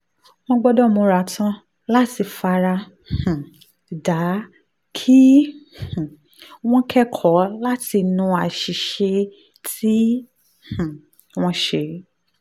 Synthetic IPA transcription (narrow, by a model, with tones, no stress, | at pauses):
w̃ɔ̃˦ɡ͡bɔ˧dɔ˦˨mõ˧ɾa˨tʰã˧ | la˦ti˧fa˧ɾa˧ | h̩˨ | da˨˦ | kʰi˦h̩˨ | w̃ɔ̃˦kʰɛ˦kʰɔ˨˦la˦ti˧nũ˧a˨ʃi˨ʃe˧ | ti˦ | h̩˨ | w̃ɔ̃˦ʃe˧˨˦